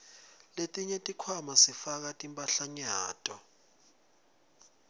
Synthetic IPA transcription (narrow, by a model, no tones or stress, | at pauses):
letʼiɲɛtʼikʰwamasifak̬atʼimpʼaɬaɲaːtʼɔ